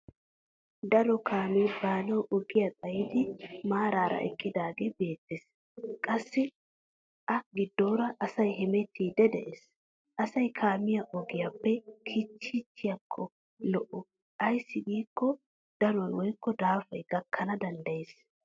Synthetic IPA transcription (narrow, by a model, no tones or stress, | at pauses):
d̪ɐlɔkʰaːmiːbaːnɐwʔɔɡɪjɐt̪ʼɐjɪd̪ɪmaːɾaːɾɐ̰ʔɛ̰kʼːɪd̪aːɡeːbe̞ːt̪ːes | kʼɐsːɪ | ʔɐɡɪd̪ːoːɾɐʔɐsɐjhɛmɛt̪ʰːiːd̪ɛd̪ɛ̰ʔes | ʔɐsɐjkʰaːmɪjɐʔɔɡɪjapːɛkʰiːt͡ʃːit͡ʃːɪjɐkʰːɔ | lɔʔʊ | ʔɐjsːɪɡiːkːɔ | d̪̥ɐlɔjwɔjkːɔd̪aːfɐjɡ̥ɐkʰːɐnɐd̪ɐnd̪ɐjes